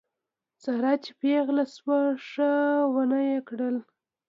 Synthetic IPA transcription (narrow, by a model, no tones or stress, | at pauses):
t͡saɾɑt͡ʃe̥peɣlaswəʂəwanajekɽəl